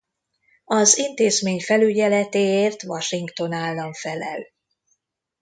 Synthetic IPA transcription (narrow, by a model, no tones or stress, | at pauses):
ɒzint̪eːzmeːɲfɛlyɟɛlɛt̪eːeːrt̪ʋɒʃiŋkt̪o̞naːlːɒɱfɛlɛ̰l